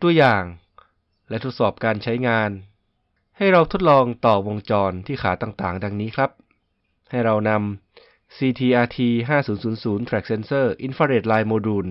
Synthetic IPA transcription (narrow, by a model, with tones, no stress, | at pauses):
t̪u˧ɐjaː˨˩ŋ | lɛ˦˥t̪ʰo˦˥t̪̚sɔː˨˩p̚kaː˧nt͡ɕʰa˦˥jŋaː˧n | ha˥˩jɾa˧wt̪ʰo˦˥t̪̚lɔː˧ŋt̪ɔː˨˩wo˧ŋt͡ɕɔː˧nt̪ʰiː˥˩xʰaː˩˦t̪aː˨˩ŋt̪aː˨˩ŋda˧ŋniː˦˥kʰɾa˦˥p̚ | ha˥˩jɾa˧wna˧m | siː˧t̪ʰiː˧ʔaː˧t̪ʰiː˧ɦaː˥˩suː˩˦nsuː˩˦nsuː˩˦nt̪ʰɾɛː˨˩k̚se˧nsɤː˥˩ʔi˧nfaː˧ɾeː˨˩t̪̚laː˧jmoː˧duː˧˩n